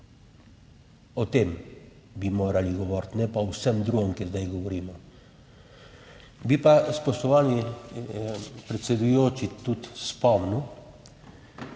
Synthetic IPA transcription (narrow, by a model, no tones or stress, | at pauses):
ɔt̪eːm | bimoːɾaliɡɔʋɔɾt̪nɛpawsɛmd̪ɾuːɡɔmkɛzd̪ajɡɔʋɔɾiːmɔ | bipaspɔʃt̪ɔʋaːni | pɾɛt̪sɛd̪ujoːt͡ʃit̪ut̪spɔmniw